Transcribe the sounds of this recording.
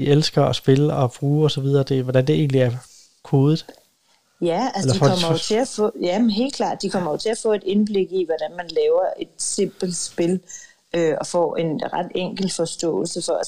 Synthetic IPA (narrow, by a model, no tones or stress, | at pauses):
ielsɡ̥ɐɒsb̥e̝ləɒ̽b̥ʁuːɒ̽sɒ̽ʋið̞ˠɐːd̥e̝ʋɒd̥ænd̥e̝e̝̰ːnliæɐ | kʰo̝ːðˠð̩ˠ | jæælslɐ̥ifɒkɒm̰ɐot͡sʰe̝æfɔ̰ːjænɦe̝̰ːldkʰlɑ̰̈ːd̥̚ːikʰɒ̽m̰ɐjo̝t͡sʰe̝æfɔ̰̽ːe̝d̥e̝nb̥le̝ɡ̥iʋɒd̥ænmænlɛːʊɐʔe̝d̥se̝m̰b̥l̩sb̥e̝l | øɒ̽fɒ̰e̝nʁɑd̥eŋ̰ɡ̥l̩fɒ̽sd̥ɔ̰̽ːl̩səfɒæ